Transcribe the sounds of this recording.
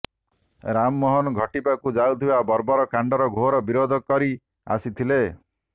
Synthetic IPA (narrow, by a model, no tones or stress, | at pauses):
ɾamːɔɦɔnɡʱɔʈipakud͡ʒaut̪ʰibabɔɾbɔɾɔkaɳɖɔɾɔɡʱoɾɔbiɾod̪ʱɔkɔɾi | a̰sit̪ʰile